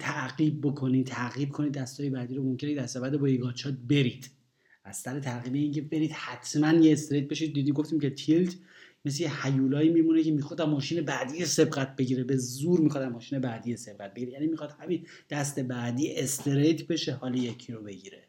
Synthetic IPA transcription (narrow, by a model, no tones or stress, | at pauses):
t̪ʰæʔɣiːb̚ːokʰo̞nit̪ʰːæɣiːb̚kʰo̞nid̪̚ːæst̪ɒːjebæːd̪iːɾomo̞mcʰeneed̪æst̪ebæd̪ebɒːjeɡɒːt͡ʃʰɒːt̪̚be̞ɾiːd̪̥ | æzsæɾet̪ʰæɾɣiːbeiːŋcʰebe̞ɾiːd̪̥hæt̪ʰmænjeːst̪eɾejt̪̚be̞ʃid̪̚ːiːd̪iːɡoft̪iːmcʰe̞t̪ʰilt̪ʰ | mes̬lejehæjuːlɒːiːmiːmunecʰemiːxɔd̪æmːɒːʃiːnebæd̪ijese̞bɢæt̪̚ʰb̥e̞ɟiːɾebezuːɾmixɒːd̪æmɒːʃiːne̞bæd̪iːjese̞b̚ɣæt̪̚be̞ɟiɾejænimixɒd̪̥hæmin | d̪̥æst̪e̞bæd̪iːʔest̪eɾejt̪ʰbe̞ʃehɒːlijecʰiɾobe̞ɟiːɾḛ